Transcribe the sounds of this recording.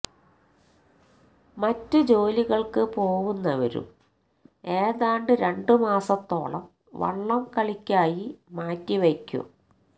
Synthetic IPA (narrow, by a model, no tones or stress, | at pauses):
mɐtːɨd͡ʑo̞ːliɣɐɭkɨpo̞ːɣunːɐʋɐ̰ɾṵm | e̞ːðaːɳɖɨɾe̞ɳɖɨmaːsɐt̪ːo̞ːɭɐm | ʋɐ̰ɭːɐmkɐɭikʲːaːjimaːtːiʋekʲːṵ